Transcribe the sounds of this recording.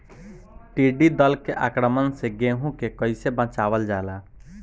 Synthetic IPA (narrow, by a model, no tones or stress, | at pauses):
ʈiɖid̪əlkeʔakɾəmənseɡeɦũkekəɪsebə̃t͡ʃabəld͡ʒala